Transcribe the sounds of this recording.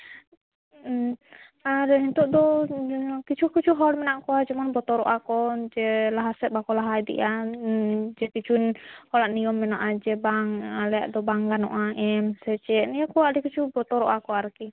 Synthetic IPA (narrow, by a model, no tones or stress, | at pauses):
aɾɛint̪uʔd̪ɔ | kit͡ʃukit͡ʃuɦɔlmɛnaʔkuad͡ʒɛmɔnbɔt̪ɔɾɔ̰ʔakɔd͡ʒɛlaɦasɛʔbakɔlaɦaid̪ḭʔa | d͡ʒɛkit͡ʃunhɔlaʔniɔmːɛnɔʔad͡ʒɛbaŋalɛa̰ʔd̪ɔbaŋɡanɔ̰ʔaʔɛmsɛt͡ʃɛʔniakuaʔdɛkit͡ʃubɔt̪ɔɾɔʔakɔaɾki